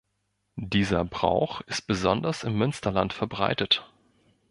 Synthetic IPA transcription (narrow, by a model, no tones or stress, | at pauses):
d̥iːzɐbʁa̰ʊxɪst̚b̥əzɔndɐsɪmːʏnstɐlantfɛɐbʁa̰ɪtət